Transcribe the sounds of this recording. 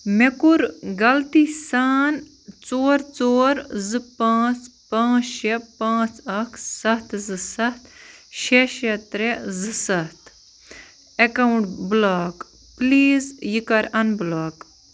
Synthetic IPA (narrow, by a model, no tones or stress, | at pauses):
mekuɾɡɐlt̪iːsaːn | t͡soːɾt͡soːɾzɨpãːt͡spãːt͡sʃepãːt͡sɐkʰsɐt̪zɨsɐt̪ʃeʃet̪ɾezɨsɐt̪ʰ | ekɐwɳʈblaːk | pliːzjikɐɾɐnblaːk